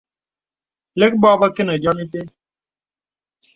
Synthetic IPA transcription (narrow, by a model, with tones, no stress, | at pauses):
le˦k̚bɔ˦bə˦ke˦nə˨d͡ʒɔ˦mi˦te˦